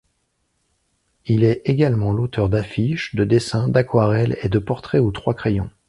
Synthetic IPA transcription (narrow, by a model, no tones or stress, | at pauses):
ilɛeɡʲalmɑ̃lot̪œʁd̪afiʃd̪əd̪esɛ̃d̪akwaʁɛled̪əpɔʁt̪χɛut̪χwakχejɔ̃